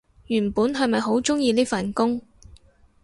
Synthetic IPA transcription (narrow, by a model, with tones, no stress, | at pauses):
jyː˨˩npuː˨˥nɦɐ˨jmɐ˨jɦo˨˥wt͡ʃʊ˥ŋjiː˧liː˥fɐ˨nkʊ˥ŋ